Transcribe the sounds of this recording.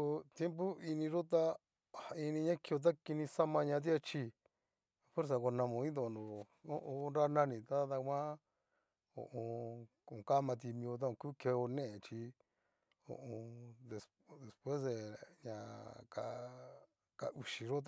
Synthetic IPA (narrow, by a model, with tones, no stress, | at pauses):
o˧t̪je˦mp̬o˦i˧nĩ˧ɾo˦t̪̬a˦ | a˧i˧nĩ˧ɲã˦ki˧o˧t̪̬a˦ki˧nĩ˧sa˦mã˧ɲã˧t̪̬i˦a˧t͡ʃi˧ | fwe˦ɾs̬a˧kʷo˧nã˧mõ˧ĩ˦nd̪o˧˨˧nd̪õ˨ | o˦ʔõ˧nɾa˦nã˦nĩ˧˨t̪a˦t̪a˧kʷã˦ | o̰˧˨ʔõ˧kːka˦mã˧t̪̬i˧mĩ˧o˧t̪̬a˦õ˧kuː˦ke˧o˧nẽ˦ʔẽ˨t͡ʃi˧ | õ̰˧ʔõ˧d̪e˧s | ðe˨spwe˦sðe˧ɲã˧ka˧ | ka̰˧ʔu˧ʃi˧ɾo˦t̪